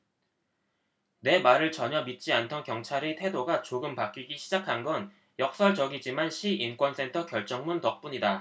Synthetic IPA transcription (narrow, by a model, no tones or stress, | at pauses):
ne̞maɾɯɭt͡ɕʌɲʌmit̚t͡ɕ͈iantʰʌnkjʌŋt͡ɕʰaɾitʰe̞doɡat͡ɕoɡɯmpak͈iɡiɕʰid͡ʑakʰanɡʌn | jʌk̚s͈ʌɭt͡ɕʌɡid͡ʑimanɕʰiink͈wʌns͈ʰe̞ntʰʌkjʌɭt͡ɕ͈ʌŋmuntʌk̚p͈uɲida